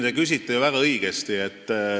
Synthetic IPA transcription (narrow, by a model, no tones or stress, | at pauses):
d̪ekys̬ʲit̪ːˑejuvæɡ̥ɑɤiɡ̥est̪iet̪ː